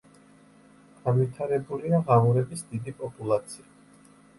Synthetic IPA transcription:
ɡ̥anvit̪ʰaɾɛbuliaʁamuɾɛbisd̪id̪ipʼɔpʼulˠat̪sʰia

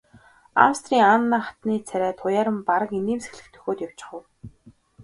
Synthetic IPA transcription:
a̰wst̪riːŋaːnːaːχat̪niːt͡sʰæɾʲæːt̪ʰʊjaːɾə̆mpaɾə̆kiniːmse̥xɮɘ̆kt̪ʰɵ̥xoːt̪jaw̥t͡ɕɪ̥̆χə̆w

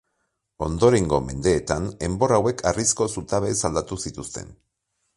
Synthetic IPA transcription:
o̞nd̪o̞ɾe̞ŋɡo̞me̞̰nd̪e̞ːt̪ane̞mbo̞rawe̞kʰarisko̞sut̪aβe̞sald̪at̪usit̪ust̪e̞̰n

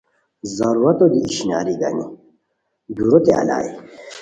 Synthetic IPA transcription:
zɐɾuɾɐt̪od̪iiɕina̰ːɾiɡɐni | b̪uɾot̪ea̰la̰ːi

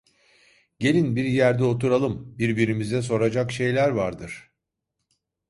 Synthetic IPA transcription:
ɟe̞lʲinbiɾjæɾd̪ɛo̞t̪ʰuɾalˠɯmbiɾbiɾimizɛs̬o̞ɾad͡ʒakʃe̞jlʲæɾvaɾd̪ɯɾ̥

